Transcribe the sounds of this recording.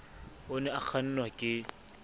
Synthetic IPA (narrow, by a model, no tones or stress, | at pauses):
ʊnɛak͡xʰan̩nwakʼɪ